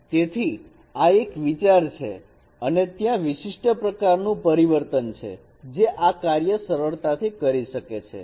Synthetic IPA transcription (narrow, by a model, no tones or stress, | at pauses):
t̪et̪ʰi | aekʋit͡ʃaɾt͡ʃʰḛ | ənet̪jãʋiʃiʂʈəpɾəkaɾnũpəɾiʋəɾt̪ənt͡ʃʰḛ | d͡ʒeʔakaɾjəsəɾəɭt̪at̪ʰikəɾiʃəket͡ʃʰḛ